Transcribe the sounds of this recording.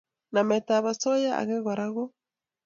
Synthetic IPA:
na˨mɛ˨ta˨βa˨sɔ˦ja˦a̰˨ɣe˦ɣɔ˨ɾa˦ɣɔ˦

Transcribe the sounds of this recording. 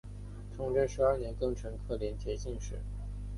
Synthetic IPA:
ʈ͡ʂʰʊ˧˥ŋʈ͡ʂə˥˧nʂɻ̩˧˥ɐ˞˥˩njɛ˧˥nkɤ˥˩ŋʈ͡ʂʰɤ˧˥ŋkʰɤ˥˩ljɛ˧˥nt̪ʰjɛ˧˥ɕi˥˧ŋʂɻ̩˥˩

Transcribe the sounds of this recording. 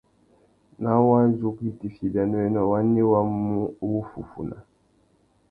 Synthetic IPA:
na˦wa˦n˦zu˦ki˦ti˨fi˨ba˨nɔ˦ɛ˦nɔ˨wa˦nːe˦wa˦u˦wu˦fṵ˨fṵ˨na̰˨

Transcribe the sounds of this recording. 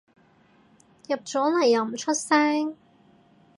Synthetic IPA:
jɐ˨p̚t͡ʃɔː˨˥lɐ˨˩jːɐ˨˩wm̩˨˩t͡ʃʰɵ˥t̚sɛː˥ŋ

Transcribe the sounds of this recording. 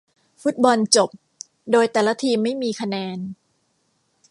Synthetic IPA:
fu˦˥t̪̚bɔ˧nt͡ɕo˨˩p̚ | doː˧jt̪ɛː˨˩la˦˥t̪ʰiː˧mːa˥˩jmiː˧kʰa˧nɛː˧n

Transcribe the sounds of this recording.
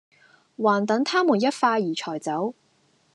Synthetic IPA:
waː˨˩nt̪ɐ˨˥ŋt̪ʰaː˥muː˨˩njɐ˥t̚faː˧jiː˨˩t͡ʃʰɔː˨˩jt͡sɐ˨˥w

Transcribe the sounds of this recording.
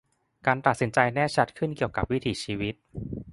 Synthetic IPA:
kaː˧nt̪a˨˩t̪̚si˩˦nt͡ɕa˧jnɛː˥˩t͡ɕʰa˦˥t̪̚kʰɯ˥˩nki˨˩əwka˨˩p̚wi˦˥t̪ʰiː˨˩t͡ɕʰiː˧wi˦˥t̪̚

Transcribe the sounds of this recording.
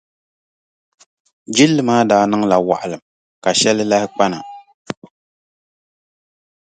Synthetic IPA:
d͡ʒi˦lːɨ˨maː˦daː˨˦nɨ˦ŋla˨wa̰˨ʔa˨lɨ˨m | ka˨ʃɛ˦lɨ˦la˦hɪ˦k͡pa˦na˨

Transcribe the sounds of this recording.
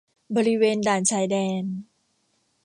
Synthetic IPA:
bɔː˧ɾi˦˥weː˧ndaː˨˩nt͡ɕʰaː˧jdɛː˧n

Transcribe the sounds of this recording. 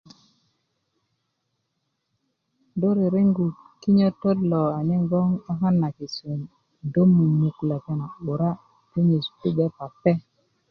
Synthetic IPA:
do˦ɾe˨ɾe˦ŋɡu˨t | kːi˦ɲo˦to˦dlo˨a˨ɲe˦ŋɡo˦ŋa˦ɦa˦nːa˨ki˨su˨n | do˦mu˨nu˨kla˨ta˨na˨u˨ɾa˦ | te˦ɲe˨spu˦be˦pa˨pːe˦

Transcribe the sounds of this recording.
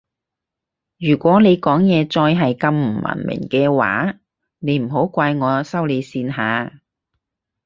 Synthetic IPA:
jyː˨˩kʷɔː˨˥ne˨˧jkɔː˨˥ŋjɛː˨˧t͡sɔː˧jɦɐ˨jkɐ˧mm̩˨˩mɐ̰˨˩nmɪ̰˨˩ŋkɛː˧wa̰ː˨˥ | ne˨˧jm̩˨˩ɦo˨˥wkʷaː˧jŋɔː˨˧sɐ˥wle˨˧jsiː˧nɦaː˨˧

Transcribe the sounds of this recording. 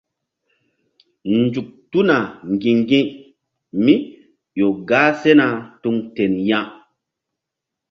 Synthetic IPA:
nd͡zu˨k̚tu˦na˨ŋɡĩ˨ŋɡĩ˦ | mi˦ | jo˨ɡaː˦se˦na˨tu˧ŋte˨njã˦

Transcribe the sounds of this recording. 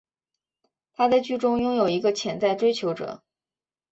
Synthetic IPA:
t̪ʰa˥t͡sa˥˧ɪt͡ɕy˥ʈ͡ʂʊ˥ŋjʊ˥ŋjo˨˩ʊi˧˥ɡə˧t͡ɕʰjɛ˨˩nt͡sa˥˩ɪʈ͡ʂwe˥ɪt͡ɕʰjo˧˥ʊʈ͡ʂɤ̰˨˩˦

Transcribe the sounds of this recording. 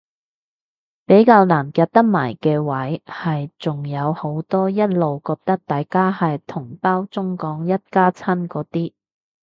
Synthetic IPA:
pe˨˥jkaː˧wnaː˨˩nkaː˧t̚t̪ɐ˥k̚maː˨˩jkɛː˧wɐ˨˥jhɐ˨jt͡sʊ˨ŋjɐ˨˧who˨˥wt̪ɔː˥jɐ˥t̚lo˨wkɔː˧k̚t̪ɐ˥k̚t̪aː˨jkaː˥hɐ˨jt̪ʰʊ˨˩ŋpaː˥wt͡sʊ˥ŋkɔː˨˥ŋjɐ˥t̚kaː˥t͡sʰɐ˥nkɔː˨˥t̪iː˥

